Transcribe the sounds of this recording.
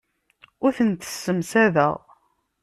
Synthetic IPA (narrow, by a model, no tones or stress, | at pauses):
ʊɾθənt̪ə̥sːəmsæðə̰ʁ